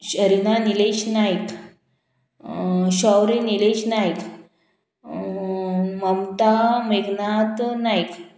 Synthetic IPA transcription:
ɕəɾinanileɕnajk | ɕɔwɾenileɕnajk | məmt̪ameɡnat̪najk

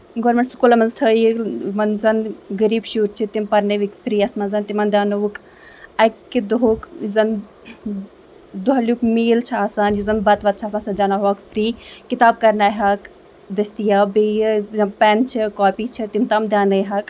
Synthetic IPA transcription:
ɡoːɾmeɳʈskuːlɐmɐnzt̪ʰəːjimɐnzɐnɡɐɾiːbʃuːɾt͡ʃʰit̪impɐɾnɐʋikfɾiːɐsmɐnzɐnt̪imɐnd̪ʲaːnuʋuk | ɐkːid̪uɦukzɐn | d̪uɦɐlʲjukmeːlt͡ʃʰaːsaːnjuzɐnbɐt̪ʋɐt̪̚t͡ʃʰaːsaːnsɐd͡ʒanaɦɐːkfɾiːkit̪aːb̚kɐɾnaːjɦɐk | d̪ɐst̪ijaːbeːjzɐmpɛnt͡ʃʰikɔːpiːt͡ʃʰit̪imt̪ɐmd̪ʲaːnɐjɦɐk

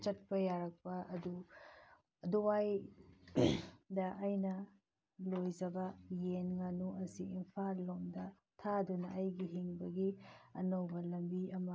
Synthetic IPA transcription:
t͡ʃɐt̚pɐjaɾɐk̚pɐɐdu | ɐduwaj | dɐʔːjnɐ | lojd͡ʒɐbɐjenŋanuʔɐsiimpʰallomdɐ | tʰadunɐʔɐjɡiɦiŋbɐɡiɐnɐwbɐlɐmbiɐmɐ

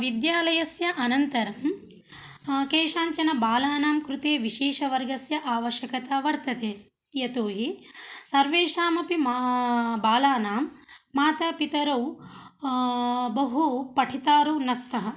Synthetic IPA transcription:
ʋid̪jaːlɐjɐsjɐʔɐnɐnt̪ɐɾɐm | keːʂaːɲt͡ʃɐnɐbaːlaːnaːmkɾut̪eːʋiʃeːʂɐʋɐɾɡɐsjɐʔaːʋɐʃjɐkɐt̪aːʋɐɾt̪ɐt̪eː | jɐt̪oːɦisɐɾʋeːʂaːmɐpim | baːlaːnaːmːaːt̪ɐpit̪ɐɾɐw | bɐɦupɐʈʰit̪aːɾunɐst̪ʰɐɦɐ

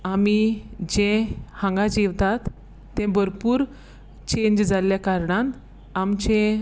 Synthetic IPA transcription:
amid͡ʑɛ̃hãŋɡad͡ʑiʋt̪at̪ː | ɛ̃bʱəɾpuːɾ | t͡ɕeɲd͡ʑd͡zaljakaɾɳãn | amt͡ɕẽ

